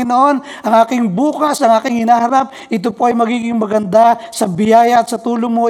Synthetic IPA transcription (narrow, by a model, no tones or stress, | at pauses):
noʔon | ʔɐŋʔaːkɪŋbuːkɐsʔɐŋʔaːkɪŋhɪnaːhɐɾap̚ | ʔɪt̪̬opo̞ʔɐjmɐɡiːɡɪŋmɐɡɐnd̪asɐbɪjaːjɐːt̪̚sɐt̪uːloŋmo